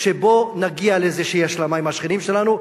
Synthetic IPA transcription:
ʃebo̞naɡialezeʃeiaʃlamaimhaʃχinimʃe̞lanu

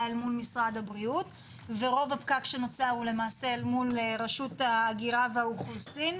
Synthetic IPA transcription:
almulmisʁadhabʁiut | veʁo̞vapkakʃe̞not͡saule̞maːselmulʁaʃutaːɡiʁaveauχlusin

